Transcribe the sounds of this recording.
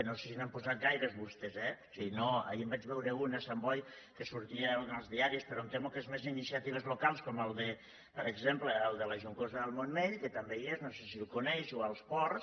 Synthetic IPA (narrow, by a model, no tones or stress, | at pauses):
nosesinampuzat̪̚ɡajɾəzβust̪ezɛosiinoa̰iəmbad͡ʒβɛwɾəunəsambɔj | kəsuɾt̪iənəlˠzðiaɾispəɾɔunt̪emukezmezinisiat̪iβ̞əzlokalˠskɔməlˠd̪ə | pəɾəɡzempləəlˠd̪ələʒuŋkozəəlˠmonmeʎket̪ambeieznosesiukuneʃuəlˠspɔɾs